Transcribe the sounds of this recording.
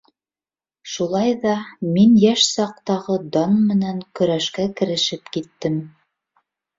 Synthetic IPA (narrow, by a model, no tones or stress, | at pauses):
ʃulˠɑjðɑminjæʃsɑq̚t̪ɑʁɤd̪ɑnmɘ̆næŋkɵ̆ɾæʃkækɘ̆ɾɘ̆ʃɘpkit̪ːɘm